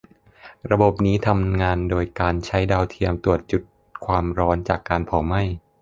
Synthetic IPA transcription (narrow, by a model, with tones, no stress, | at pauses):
ɾa˧bo˨˩p̚niː˦˥t̪ʰa˧mŋaː˧ndoː˧jkaː˧nt͡ɕʰa˦˥jdaː˧wt̪ʰi˧əmt̪u˨˩ət̪̚t͡ɕu˨˩t̪̚ | kʰwaː˧mɾɔː˦˥nt͡ɕaː˨˩kːaː˧npʰɔː˩˦ma˥˩j